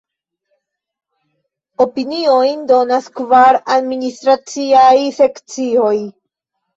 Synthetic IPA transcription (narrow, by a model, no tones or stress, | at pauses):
o̞pinio̞jndo̞naskvaɾadministɾat͡siajse̞kt͡sio̞j